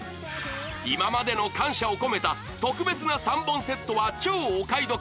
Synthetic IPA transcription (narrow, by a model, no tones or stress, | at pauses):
imamad̪e̞no̞kãɰ̃ɕao̞ko̞me̞t̪a | t̪o̞kɯ̟be̞t͡sɨnasãmbõɰ̃se̞t̪ːo̞βat͡ɕo̞ːkaid̪o̞